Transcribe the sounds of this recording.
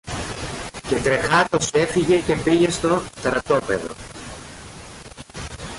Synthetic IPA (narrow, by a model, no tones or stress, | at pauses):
cet̪ɾe̞xɐt̪o̞se̞fiʝe̞ce̞piʝe̞st̪o̞t̪ɾɐt̪o̞pe̞̰ðo̰